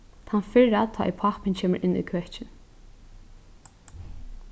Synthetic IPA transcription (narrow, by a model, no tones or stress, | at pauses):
t̪ʰanfɪɾat̪ʰɔ̰ːʔɛ̰pʰahpɪncʰeːmə̰ɾʔɪnːṵðkʰvœht͡ʃɪn